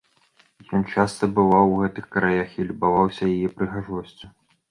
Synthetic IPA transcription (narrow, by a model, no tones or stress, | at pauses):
jɔnt͡ʂast̪ɐbɨvawɣɛt̪ɨxkɾajaxilʲubavawsʲɐjajɛpɾɨɣaʐɔsʲt͡sʲu